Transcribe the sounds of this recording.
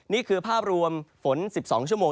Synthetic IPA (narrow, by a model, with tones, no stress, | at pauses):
niː˥˩kʰɯː˧pʰaː˥˩p̚ɾu˧əmfo˩˦nsi˨˩p̚sɔ̰ː˩˦ŋt͡ɕʰu˥˩əmoː˧